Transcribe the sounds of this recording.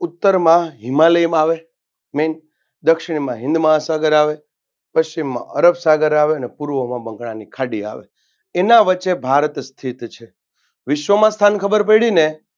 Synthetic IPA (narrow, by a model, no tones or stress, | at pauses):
ʊt̪ːəɾmãɦɪmaləjmaʋe | men | d̪əkʃɪɽ̃mãɦɪ̃nd̪maɦasaɡəɾaʋe | pəst͡ʃimːã̰ʔəɾəbsaɡəɾaʋeənepuɾʋəmãbə̃ŋkɽãnikʰaɖia̰ʋḛ | enãʋət͡ʃːebʱaɾət̪st̪ʰit̪t͡ʃʰe | ʋɪʃʋəmãst̪ʰankʰəbəɾpəiɭine